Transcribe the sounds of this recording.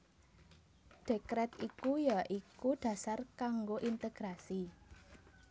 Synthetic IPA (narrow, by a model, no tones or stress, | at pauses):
ɖ̥e̤kɾɛt̪ikujaʔikuɖ̪̥ä̤sarkaŋɡoʔint̪eɡ̥ɾasi